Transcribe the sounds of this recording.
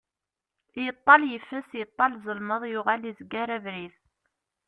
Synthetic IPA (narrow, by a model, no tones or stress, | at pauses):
jət̪ˤːɑljəfːəsjət̪ˤːɑlzˤəlməðˤjʊʁælizəɡːaɾævɾið